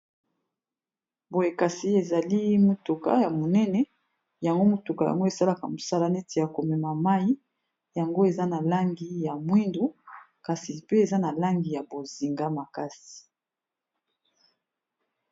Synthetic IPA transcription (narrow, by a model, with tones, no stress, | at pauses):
bo˨je˨ka˨si˨e˨za˨li˦mo˨tu˨ka̰˦ja˨mo˨nɛ˦nɛ˨ | ja˨ŋɡo˦mo˨tu˨ka˨ja̰˨ŋɡo˦e˨sa˦la˨ka˨mo˨sa˦la˨nɛ˦ti˨ja˨ko˨mɛ˨ma˨ma˦ji˦ | ja˨ŋɡo˦e˨za˦na˨la˦ŋɡi˨ja˨mwi˦ndo˦ | ka˨si˨pe˦e˨za˦na˨la˦ŋɡi˨ja˨bo˨zi˨ŋɡa˦ma˨ka˦si̥˨